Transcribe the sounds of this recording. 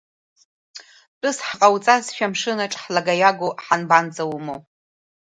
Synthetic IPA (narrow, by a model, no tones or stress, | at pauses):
t͡pʼʊsħqʼawt͡sʼasʃᶣamʂɨnaʈ͡ʂʼħlaɡajaɡʷoħanband͡zʼawmow